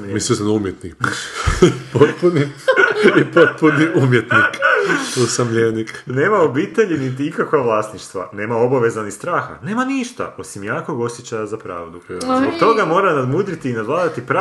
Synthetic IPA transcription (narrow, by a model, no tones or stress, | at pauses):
mislisnumjet̪nik | pot̪puni | ipot̪̚puniʔumjet̪nikt̪usamʎenikne̞ːmao̞biːt̪e̞ʎinit̪iikakaʋlˠaːsniʃt̪ʋa̰ne̞ːmao̞baʋe̞zanist̪ɾaːxa̰ne̞ːmaniʃt̪a̰ʔo̞simjaːko̞ɡo̞sjet͡ɕajazapɾa̰ːʋd̪uot̪o̞ɡamo̞ːɾanad̪mud̪ɾit̪iːnad̪ʋlaːd̪at̪ipɾa